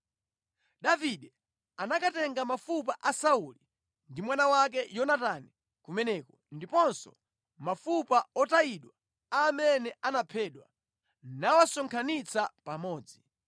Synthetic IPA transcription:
ɗaviɗɛ | anakatɛŋɡamafup̬aʔasauli | ndimwanawak̬ɛjɔnatani | kumɛnɛːkɔndipɔnsɔ̰ | mafupaɔtaiɗwa | amɛnɛanapʰɛːɗwa | nawasɔŋkʰanit͡sʰapamɔːd͡zi

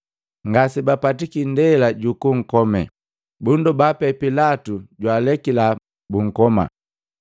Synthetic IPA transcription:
ŋɡasibapatikindɛlaɟukuŋ̩kɔmɛ | bundubapɛpilatuɟwaːlɛkila | buŋ̩kɔma̰

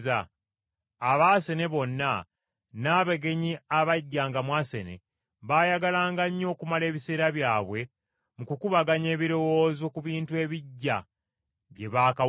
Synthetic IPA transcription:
zaː | βaːse̞ne̞βo̞nːa | naːβeɡe̞ɲiaβaɟːaːŋɡamwaːse̞̰ne̞̰ | βaːjaɡalaːŋɡaɲːo̞ːkumale̞ːβise̞ːɾaβjaːβwe̞ | mukukuβaɡaɲe̞ːβiɾo̞wo̞ːzo̞kuβiːntue̞ːβiɟːa̰ | βje̞βaːka

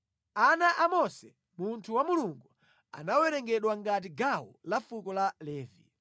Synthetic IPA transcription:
anaʔamɔsɛ | muntʰuwamuluŋɡu | a̰nawɛɾɛŋɡɛɗwaŋɡat̬iɡawɔ̰lafukɔlalɛːvḭ

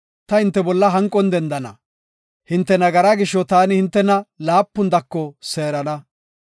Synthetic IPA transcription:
t̪ɐhɪnt̪ːɛbɔlːɐɦɐŋkʼːɔnd̪ɛnd̪ɐnɐ̰ | hɪnt̪ːɛnɐɡɐɾaɡɪʃːɔt̪aːnɪhɪnt̪ːɛnɐlaːpːʊnd̪ɐkːɔseːɾɐnɐ

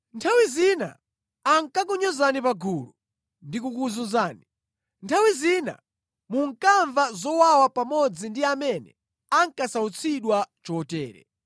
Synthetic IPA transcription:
ntʰawizina̰ː | ŋkak̬uɲɔzanipaɡulu | ndikukuzunzaːni | ntʰawizina̰ | muŋkaɱvazɔwawapamɔd͡zindiamɛnɛ̰ | aŋkasaut͡sʰiɗwat͡ʃɔtɛ̰ːɾɛ̰

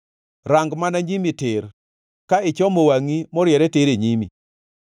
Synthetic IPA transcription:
ɾaŋɡmanaɲimitɪɾ | kaɪt͡ʃɔmowaŋimɔɾjɛɾɛteɾeɲimḭ

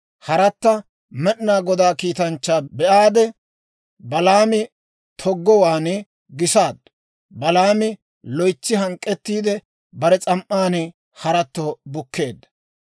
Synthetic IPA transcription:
hɐɾɐt̪ːɐ | mɛʔnaːɡɔd̪aːkiːt̪ɐnt͡ʃːaːbɛʔaːd̪ɛ | bɐlaːmɪ | t̪ʰɔɡːɔwaːnɛ | ɡɪsaːd̪ɐ̥ | bɐlaːmɪ | lɔjt͡sːɪɦɐŋkʼːɛt̪ːiːd̪ɛ | bɐɾɛt͡sʼɐmʔːaːnɛ | hɐɾɐt̪ːɔbʊkːe̞ːd̪ːɐ̥

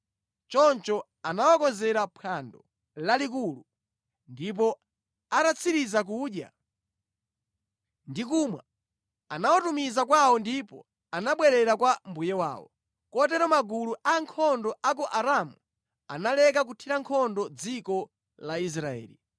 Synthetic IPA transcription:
t͡ʃɔnt͡ʃɔ | anawakɔzɛɾapʰandɔ | lalik̬ulu | ndip̬ɔ | atat͡sʰiɾizak̬uːɗja̰ | ndik̬umwa̰ | anawatumizak̬waɔndipɔ̰ | anaɓwɛɾɛɾakwam̩bujɛwa̰ːwɔ̰ | kɔtɛɾɔmaɡuluʔaŋkʰɔndɔʔakɔʔaɾamu | a̰nalɛk̬ak̬utʰiɾaŋkʰɔndɔd͡zikɔ | lais̬ɾaɛ̰ːli

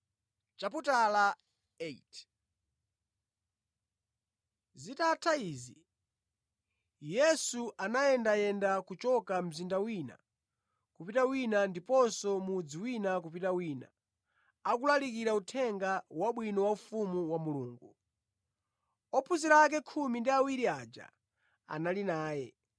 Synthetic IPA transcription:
t͡ʃaputala | et | zitatʰaiːzi | jɛsuʔanajɛndajɛndakut͡ʃɔkam̩zindawina̰ | kupitawinandipɔnsɔmud͡ziwinakupitawiːna̰ | akulalik̬iɾautʰɛŋɡawaɓwinɔwaufumuwamuluːŋɡu | ɔpʰuziɾak̬ɛkʰumindiawiɾiaːd͡ʒa̰ | a̰nalinaːjɛ

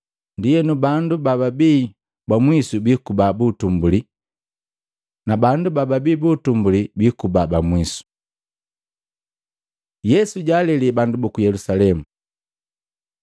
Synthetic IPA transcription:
ndijɛnubandubababiː | bamwisubikubabutumbuli | nabandubababiːbutumbulibikubabamwisu̥ | jɛsuɟaːlɛlibandubukujɛlusalɛmu

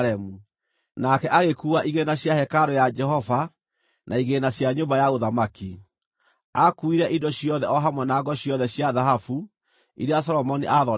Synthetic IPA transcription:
ɛmu | nakɛʔaɣekuːaʔiɣenaɕjahɛkaɾɔjad͡ʒɛɦɔva | nʔaiɣenaɕjaɲombajaoðamaki | akuiɾɛʔidɔɕjɔðɛɔɦamwɛnaɡɔɕjɔðɛɕjaðaɦafu | ḭɾeas̬ɔɾɔmɔniʔaðɔ

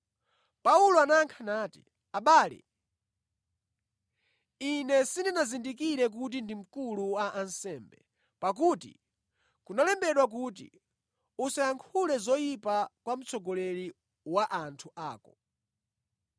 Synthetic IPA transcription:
paulɔanaŋkʰanaːti̥̰ | aɓaːlɛ̰ | inɛsindinazindik̬iɾɛk̬ut̬indim̩kuluaʔːnsɛːmbɛ | pak̬uːtḭ | kunalɛmbɛɗwak̬uːt̬ḭ | usajaŋkʰulɛzɔjipakwam̩t͡sɔɡɔlɛɾi | waʔantʰuʔaːkɔ

